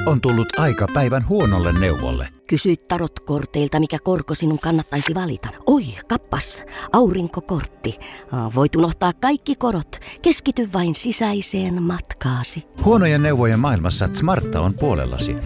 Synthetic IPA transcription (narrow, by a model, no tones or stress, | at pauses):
ont̪ulːut̪ɑikɑpæiʋænhuonolːenneuʋo̰lːḛkysyit̪t̪ɑrot̪kort̪eilt̪ɑmikækorkosinuŋkɑnːɑt̪ːɑisiʋɑlḭt̪ɑoikɑpːɑsʔɑuriŋkokort̪ːiʋoit̪unoht̪ɑːkkɑikːikorot̪keskit̪yʋʋɑinsisæiseːnmɑt̪kɑːsihuonojenːeuʋojemɑːilmɑsːɑt̪mɑrt̪ːɑ̰ompuolḛlːɑ̰sḭ